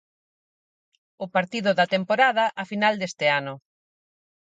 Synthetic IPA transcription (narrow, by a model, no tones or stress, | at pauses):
ʊpaɾt̪iðʊðɐt̪empoɾaðɐʔɐfinald̪est̪ɪanʊ